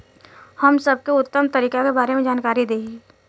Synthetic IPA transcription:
hɐmsɐb̚keʊt̪ːəmt̪ɐɾiːkakebaːɾemẽd͡ʒaːnkaːɾid̪eːi

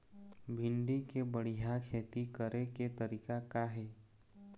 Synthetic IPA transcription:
bʱɪ̃ɳɖikebəɽ̤ijakʰeːt̪ikəɾeket̪əɾiːkakaɦɛː

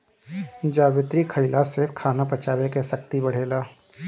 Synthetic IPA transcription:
d͡ʒaːʋɪt̪ɾikʰəɪlasɪɾfkʰaːnapɐt͡ʃaːʋekesək̚t̪ibɐɽ̤eːlaː

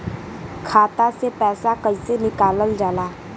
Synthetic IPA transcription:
kʰaːt̪asepɛːsakəisenɪkaːləld͡ʒaːlaː

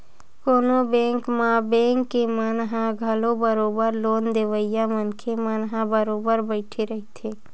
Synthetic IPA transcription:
koːnobẽːŋkmãbɛ̃ːŋkːemənɦãɡʱɐlobəɾoːbəɾloːnd̪eːʋəɪjamənkʰemənɦãbəɾoːbəɾbəɪʈʰeɾɐɦit̪ʰeː

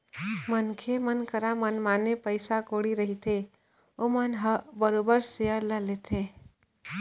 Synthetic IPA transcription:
mənkʰemənkəɾamənmaːnepəɪsakoɽiɾəɦit̪ʰẽ | omənɦəbəɾoːbəɾseəɾləleːt̪ʰẽ

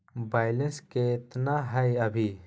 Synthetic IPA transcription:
baːjlensket̪naɦɐjɐbʱi

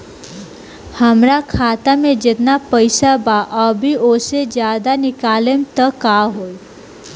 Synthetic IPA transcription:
həmɾakʰaːt̪amẽd͡ʒet̪napəɪsabaʔɔbʱiosed͡ʒjaːd̪anɪkaːlemt̪əkaɦoːi

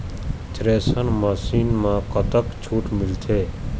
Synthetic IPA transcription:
t͡ʃɾesənməsiːnmãkət̪əkt͡ʃʰuʈmɪlt̪ʰe

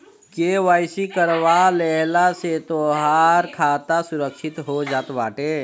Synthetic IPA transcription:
keʋaːjsikəɾwalɛɦlaset̪oːɦaːɾkʰaːt̪asʊɾəkʃɪt̪ɦod͡ʒaːt̪baːʈeː

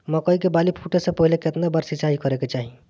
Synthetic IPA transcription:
məkəikebalipʰuʈesẽpəɦileket̪nabaɾsisaɦikəɾeket͡ʃaɦĩ

